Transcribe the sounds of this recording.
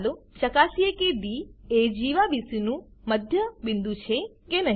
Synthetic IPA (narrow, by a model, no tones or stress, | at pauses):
lot͡ʃəkasiekebied͡ʒiʋabisinũ | məd̪ʱjəbɪ̃nd̪ũt͡ʃʰekenəɦ